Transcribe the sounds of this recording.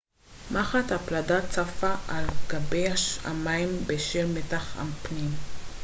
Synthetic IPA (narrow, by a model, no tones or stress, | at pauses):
maχat̪hapladat͡safaʔalɡabejaʃa̰maimbeʃelmetaχa̰mpnim